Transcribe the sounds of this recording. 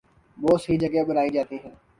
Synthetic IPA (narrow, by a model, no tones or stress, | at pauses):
ʋoːsəiːd͡ʒəɡebʊnaːid͡ʒaːt̪iɦɛː